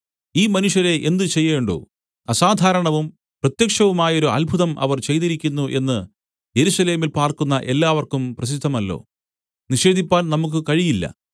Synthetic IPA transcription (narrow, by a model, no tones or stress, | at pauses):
iːmɐnuʂjɐɾe̞ʔend̪ɨt͡ɕe̞jːeːɳɖo̰ː | ɐsaːd̪ʱaːɾɐɳɐʋum | prɐt̪jɐkʂɐʋumaːjɐo̞ɾuɐ̰lbʱuðɐmʔɐ̰ʋɐrt͡ɕe̞jt̪iɾikʲːunːuʔe̞nːɨ | je̞ɾusɐle̞ːmilpaːrkunːɐʔe̞lːaːʋɐrkumprɐɕ̬id̪ʱːɐmɐlːo̞̰ː | niʂe̞ːd̪ʱipːaːnnɐmuk̬ːɨkɐɻijilːɐ̰